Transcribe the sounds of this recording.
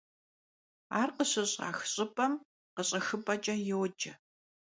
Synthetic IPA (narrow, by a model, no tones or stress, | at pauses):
aːrqəɕɐɕʼa̰ːxɕʼɪpʼɐm | qəɕʼɐxɨpʼɐt͡ʃʼɐjewd͡ʒɐ